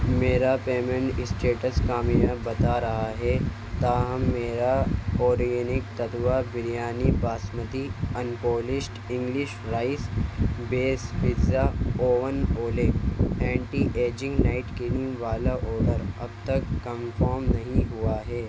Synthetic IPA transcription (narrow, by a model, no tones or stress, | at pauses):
meːɾapeːmə̃ɳʈɪsʈeːʈəskaːmijabɐt̪aɾɐɦaɦɛ | t̪aːɦɐmːeːɾaoːɾienɪk̚t̪ɐt̪ʋabɪɾijaːnibaːsmət̪iɐnpoːlɪʃʈɪ̃ŋɡlɪʃɾaːɪsbeːsʋɪzaoːʋənoːleɛ̃ːɳʈiʔeːd͡ʒɪ̃ŋɡnaːɪʈkɪnĩʋaːlaʔoːɖəɾɐ̰bt̪ɐkːɐmfɔːɾmnɐɦĩɦʊaɦɛː